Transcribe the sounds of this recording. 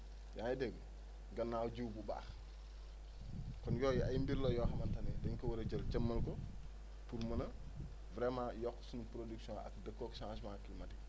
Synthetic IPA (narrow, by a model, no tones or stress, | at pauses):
jaːjdɛɡ | ɡɐnːaːwɟuwbuba̰ːx | kɔnjɔːjiɐjmbiɾlɔjɔːxɐmɐntɐnɛdɐɲkɐwɐɾɐd͡ʒɐlt͡ʃɐmːɐlkɔ | puɾmɐnɐ | vɾɛmãːjɔkːsunpɾoduksjɔ̃ɐ̰kdəkːɔkʃãsmãːkːilmɐdi